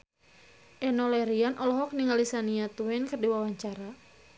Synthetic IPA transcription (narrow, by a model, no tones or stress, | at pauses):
ʔɛnɔlɛɾianʔɔlɔɦɔk̚niŋalisaniat̪uɛnkərdiwawaɲt͡ʃaɾa